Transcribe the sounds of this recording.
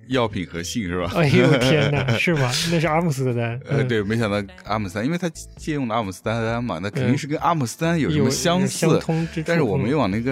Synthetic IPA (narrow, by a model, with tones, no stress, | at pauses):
jɑ˥˩ʊpʰi˨˩nxɤ˧˥ɕi˥˧ŋʂɻ̩˥˩bɐ˩˧˥jɛ˥˧ə˨ʂɻ̩˥˩mɐ˩na˥˧ʂɻ̩˧a˥mu˧˥˩s̩˥d̪ə˧t̪a˥nə˥˧we˥˩ɪme˧˥ɪɕjɑ˨˩ŋt̪ɑ˥˩a˥mu˨˩s̩˥i˥we˥˩ɪt̪ʰa˥t͡ɕjɛ˥˧jʊ˥˩ŋlə˩a˥mu˨˩sɹ̩˥t̪a˥t̪a˥nmɐ̰˨˩na˥˩kʰə˨˩ni˥˧ŋʂɻ̩˥˩k̬ə˥nʔa˥mu˧˨˩sɹ̩˥t̪a˥njo˨˩˧ə˧ɕjɑ˥ŋsɹ̩˥˩t̪ʰʊ˥ŋɻ̩˥a˥˧nʂɻ̩˥˩wɔ˨˩me˥jwɑ˨˩na˥˩ɡə˧˩